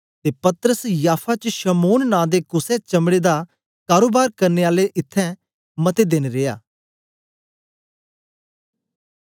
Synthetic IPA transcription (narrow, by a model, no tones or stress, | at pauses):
t̪eːpɐt̪əɾəsjaːpʰat͡ʃʃəmoːnːãːd̪eːkʊsɛ̃t͡ʃɐmɽeːd̪a | kaːɾoːbaːɾkɐɾneːaːleʔɪt̪ʰːɛ̃ | mɐt̪ed̪enɾeːjaː